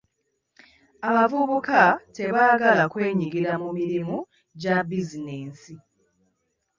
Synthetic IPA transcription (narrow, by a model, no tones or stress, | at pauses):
aβavuβukate̞βaːɡalakwe̞ːɲiɡiɾamumiɾimu | ɟabizineːnsi